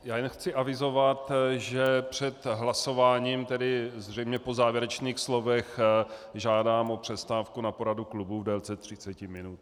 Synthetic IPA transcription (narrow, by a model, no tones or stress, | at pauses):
jaːjɛnxt͡sɪʔavɪzovat̪ʒɛpr̝̥ɛt̪ɦlaso̞vaːɲiːmt̪ɛdɪzr̝ɛjmɲɛpo̞zaːvjɛɾɛt͡ʃniːxslo̞vɛxʒaːdaːmʔopr̥ɛst̪aːfkunapo̞ɾaduklubuvdɛlt͡sɛt̪r̥ɪt͡sɛcɪmɪnut̪